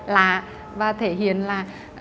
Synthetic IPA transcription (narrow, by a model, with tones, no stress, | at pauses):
laː˨˩ | vaː˨˩t̪ʰe˧˩ɦḭ˧˨ənlaː˨˩